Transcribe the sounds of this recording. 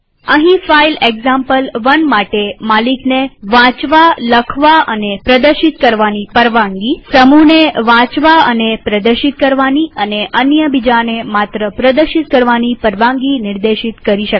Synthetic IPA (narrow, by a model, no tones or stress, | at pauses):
əɦĩfaileɡzãmpəlʋənmaʈemalikneʋãt͡ʃʋaləkʰʋaʔənepɾəd̪əɾʃit̪kəɾʋanipəɾʋãŋɡisəmuneʋãt͡ʃʋaənepɾəd̪əɾʃit̪̚kəɾʋaniəneʔənjəbid͡ʒanemat̪ɾəpɾəd̪əɾʃit̪̚kəɾʋanipəɾʋãŋɡinɪɾd̪eʃit̪kəɾiʃə